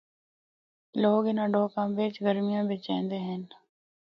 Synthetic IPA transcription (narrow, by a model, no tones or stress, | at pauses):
loːɡɪnãːɖoːkãːbeːt͡ʃɡəɾmɪjãːbeːt͡ʃɛ̰̃ːnd̪eːɦɛn